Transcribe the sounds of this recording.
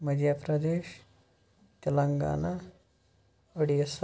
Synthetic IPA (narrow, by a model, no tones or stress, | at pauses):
mɐd̪japɾɐd̪eːʃ | t̪ɐlɐŋɡa̰ːna | ɐɽijɐs